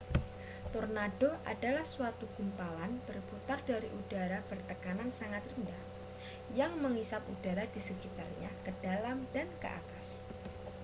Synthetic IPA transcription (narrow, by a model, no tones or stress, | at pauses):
t̪ornad̥oʔad̥alahsuat̪ukumpalanb̥ərput̪ardaɾiʔudaɾab̥ərt̪əkanansaŋat̪rəndah | jaŋməŋisap̚udaɾadisəkit̪arɲakəd̥alamdankə̰ʔa̰t̪as